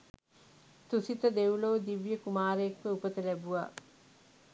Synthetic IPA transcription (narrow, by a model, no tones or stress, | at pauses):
t̪usit̪əd̪ewloːd̪iʋjəkumaːɾekʋəupət̪əlæbuʋa̰ː